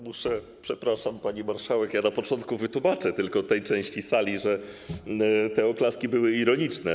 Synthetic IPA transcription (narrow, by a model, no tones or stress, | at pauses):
muʂɛ | pʂɛpɾaʂampaɲimaɾʂawɛkjanapɔt͡ʂɔnt̪̚kuvɘt̪wumat͡ʂɛt̪ɘlkɔt̪ɛjt͡ʂɛ̃w̃ɕt͡ɕisalʲiʐɛ | t̪ɛɔklaskʲibɘwɘiɾɔɲit͡ʂnɛ